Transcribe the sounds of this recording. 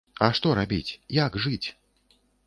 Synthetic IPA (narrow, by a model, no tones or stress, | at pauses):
ɐʂt̪ɔɾabʲḭt͡sʲjaɡʐɨt͡sʲ